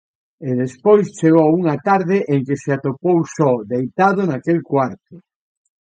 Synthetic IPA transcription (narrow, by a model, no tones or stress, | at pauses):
eðespojst͡ʃeɣowuŋat̪aɾðɪʔeŋkeseat̪opowsɔd̪ejt̪aðʊnakelkwaɾt̪ʊ